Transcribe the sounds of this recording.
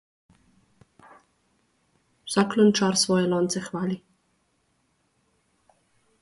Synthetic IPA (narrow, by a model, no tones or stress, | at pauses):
wsaklɔnt͡ʃaːɾsʋɔːjɛlɔːnt̪sɛxʋaːli